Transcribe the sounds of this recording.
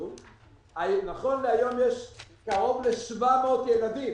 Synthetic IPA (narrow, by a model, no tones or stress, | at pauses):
anaχo̞nleajo̞mjeʃkaʁo̞vleʃvameot̪jelad̪im